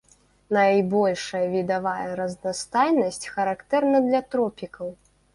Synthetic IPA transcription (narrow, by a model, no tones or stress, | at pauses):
nɐjbɔlʲʂɐjɐvʲid̪avajɐɾɐznast̪ajnɐsʲt͡sʲxɐɾakt̪ɛrnɐd̪lʲɐt̪ɾɔpʲikʰɐw